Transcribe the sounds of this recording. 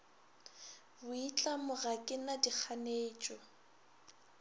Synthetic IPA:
bʊit͡ɬʼamʊɣakʼɪnadik͡xʰaneːt͡ʃʼɔ

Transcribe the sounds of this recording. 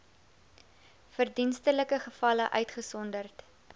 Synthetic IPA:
fərdinstələkəχəfɐləʔœ̰ɥtχəsɔndərt

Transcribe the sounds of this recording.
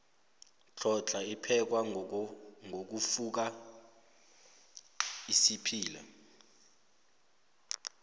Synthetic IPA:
t͡ɬʰɔt͡ɬʰaipʰɛk̬wa | ŋʱok̬ufuk̬a | isipʰiːla̰

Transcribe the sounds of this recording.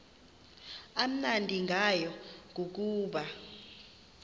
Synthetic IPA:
am̩nandʱiŋɡʱajɔŋʱuk̬uːɓa

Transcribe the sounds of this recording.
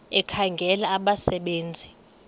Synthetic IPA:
ɛkʰaŋɡʱɛlaːɓasɛɓeːnd͡zʱi

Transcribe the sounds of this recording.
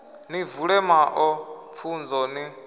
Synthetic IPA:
nivuɺɛmaʔɔp̪fʰund͡zɔni

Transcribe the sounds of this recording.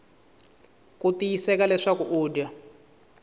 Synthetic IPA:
kutijisɛkalɛʂakuʔuːdia

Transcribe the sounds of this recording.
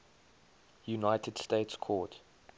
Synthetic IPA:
junaɪtʰəd̥steɪtskʰɔːt

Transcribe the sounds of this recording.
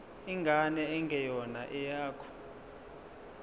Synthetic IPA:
iŋɡʱanɛɛŋɡʱɛjɔnaʔɛjaːkʰɔ̥

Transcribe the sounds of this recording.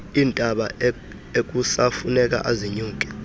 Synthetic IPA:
iːntʼaɓa | ek̬ʼusafunɛk̬ʼa̰ʔaziɲuːkʼɛ̥

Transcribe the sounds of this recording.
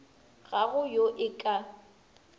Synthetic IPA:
ɣaɣʊjoʔɪkʼa

